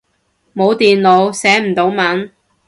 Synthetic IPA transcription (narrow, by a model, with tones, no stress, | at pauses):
mo˨˧wt̪iː˨nlo˨˧wsɛː˨˥m̩˨˩t̪o˨˥wmɐ˨˥n